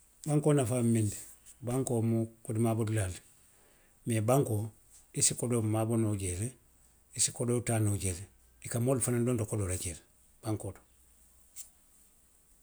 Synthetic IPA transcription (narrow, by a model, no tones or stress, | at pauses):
baŋkonafamindi | baŋkomukudimabodulal | mebaŋko | disikodomabonoɟeɾe | isi̥kodotanoɟele | dikamolfanadondokodoɾaɟele | b̥aŋkodo